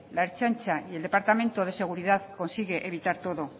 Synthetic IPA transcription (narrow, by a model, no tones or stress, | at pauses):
laeɾt͡ʃant͡ʃaie̞ld̪e̞paɾt̪amẽ̞nt̪oð̞e̞se̞ɣ̞uɾið̞aðko̞nsiɣ̞e̞ʔeβ̞it̪aɾt̪o̞ðo̞